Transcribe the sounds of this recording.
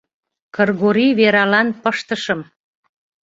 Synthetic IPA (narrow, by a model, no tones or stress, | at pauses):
kərɣoɾiβeɾɑlɑnpəʃt̪əʃəm